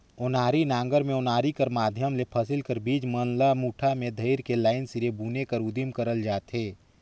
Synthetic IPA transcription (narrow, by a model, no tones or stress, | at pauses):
ʊnaːɾinãːŋɡəɾmẽʊnaːɾikəɾmaːd̪ʱjəmlepʰɐsɪlkəɾbiːd͡ʒmənlamuːʈʰamẽd̪ʱɐɪɾkelaːɪnsɪɾebuːnekəɾʊd̪imkəɾəld͡ʒaːt̪ɦeː